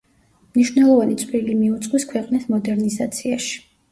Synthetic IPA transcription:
mniʃwnɛlˠɔvanit̪sʼɾilimiut̪sʼqʼwiskʰwɛqʼnismɔd̪ɛɾnizat̪sʰiaʃi̥

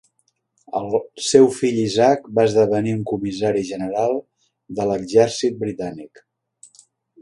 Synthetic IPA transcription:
ə̰lˠsewfiʎizak̚baəzðəβəniuŋkumizaɾiʒənəɾalˠ | d̪ələɡzɛɾsit̪̚bɾit̪anik

